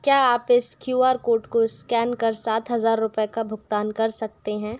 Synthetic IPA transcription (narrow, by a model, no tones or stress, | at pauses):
kjaːaːpɪskjuːaːɾkoːɾʈkoɪskɛːnkɐɾsaːt̪ɦɐzaːɾːʊpkabʱʊɡt̪aːnkɐɾsɐk̚t̪eɦɛ̃ː